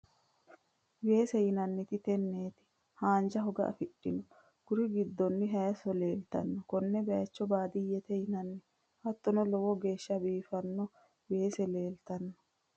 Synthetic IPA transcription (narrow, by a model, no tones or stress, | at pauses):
we̞ːsɛjɪnɐnːɪt̪ɪt̪ɛnːeːt̪ɪ̥ | haːnd͡ʒɐɦɔɡɐ̰ʔɐ̰fɪɗːɪnɔ | ɡ̥ʊɾɪɡɪd̪ːɔnːɪɦɐjɐsɔle̞ːlt̪ɐnːɔkɔnːɛbɛjɐt͡ʃːɔbaːd̪ɪjːɛt̪ɛjɪnɐnːɪ | hɐt̪ːɔnɔlɔwɔɡe̞ːʃːɐbiːfɐnːɔ | we̞ːsɛle̞ːlt̪ɐnːɔ̥